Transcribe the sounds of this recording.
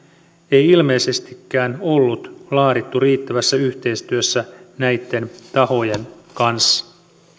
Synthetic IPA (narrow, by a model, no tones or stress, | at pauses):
e̞jilme̞jse̞st̪ikːæːno̞lːut̪lɑːɾit̪ːuriːt̪ːæʋæsːæyçt̪e̞jst̪yøsːænæjt̪ːe̞nt̪ɑho̞jenkɑnsːɑ̥